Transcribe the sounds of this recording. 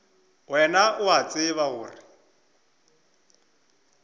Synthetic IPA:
wɛnaʔʊɦat͡sʼɪβaɣʊːrɪ

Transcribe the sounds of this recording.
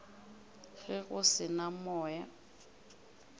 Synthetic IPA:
ɣɛɣʊsɪnamɔːja

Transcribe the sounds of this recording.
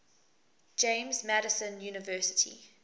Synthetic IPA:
d͡ʒẽɪ̃mzmæɾəsə̃njuːnɪvɜˑsɪ̥tʰḭ

